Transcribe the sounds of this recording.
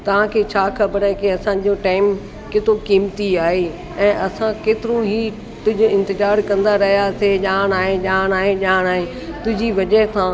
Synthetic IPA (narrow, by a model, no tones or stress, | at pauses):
t̪ɐʋ̤ãkʰeːt͡ɕʰaːkʰɐbəɾɛːkiɐsãd͡ʑoʈaːɪm | kɪt̪okiːmt̪iaːɦe | ɛ̃ːʔɐsãkeːt̪ɪɾoɦiː | t̪ʊ̃ɦɪ̃d͡ʑoɪ̃nt̪ɪzaːɾkɐ̃nd̪aɾɐɦijaseʄaːɽ̃aːɦẽʄaːɽ̃aːɦẽʄaːɽ̃aːɦẽ | t̪ʊ̃ɦɪ̃d͡ʑiʋɐʄəɦsʰãː